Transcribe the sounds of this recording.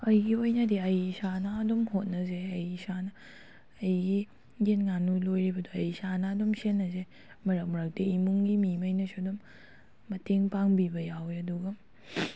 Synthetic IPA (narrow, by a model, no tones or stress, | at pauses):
ɐjɡiojnadiɐjsanaːdɔmhot̚nɐzeːjsanɐː | jɡi | ɡenŋanujlojɾibɐdoɐjsanaːdɔmsenːɐze | mɐɾɐk̚mɐɾak̚deimuŋɡimimajnɐsudɔmː | ɐteŋpaŋbibɐjawjɐduɡɐ